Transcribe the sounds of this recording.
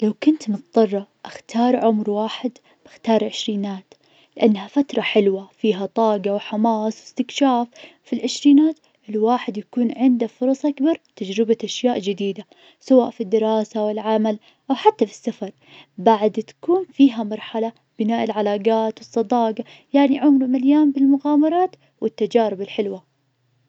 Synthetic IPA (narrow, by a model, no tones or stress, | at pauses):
lawkʊnt̪mʊt̪d̪ˤɑrˤːɑʔaxt̪ʰɑːɾˤʕʊmɾwaːħɪd̪ | b̥ɪxt̪ɑːɾˤʕɪʃɾiːnaːt̪ | lɪʔanːhafat̪ɾˤɑħɪlwafiːɦat̪ˤɑːɡɑwħamɑːsˤwɪst̪ɪkʃaːfː | ilʕɪʃɾiːnaːt̪ | ʔɪlwaːħɪd̪jakuːnʕɪnd̪afʊɾˤɑsˤʔakbɑɾˤt̪ad͡ʒɾɪbaʔaʃjaːʔd͡ʒɪd̪iːd̪a | sawaːʔfid̪ːɪɾɑːsawɪlʕamal | ʔawħat̪ːafi̥sːafɑɾˤ | baʕd̪t̪ḁkuːnfiːɦamɑɾˤħala | b̥ɪnaːʔɪlʕalaːɡaːt̪wɨsˤːɑd̪ɑːɡɑ | jaʕniʕʊmlumaljaːnbɪlmʊɣaːmɑɾˤɑːt̪ | wʔɪt̪ːad͡ʒaːɾɪbɪlħɪlwa